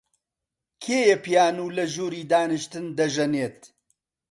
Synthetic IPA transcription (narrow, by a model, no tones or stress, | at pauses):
kʰeːjepijaːnuːlɐʒuːɾiːd̪aːnɨʃt̪ɨnd̪ɐʒɐneːt̪̚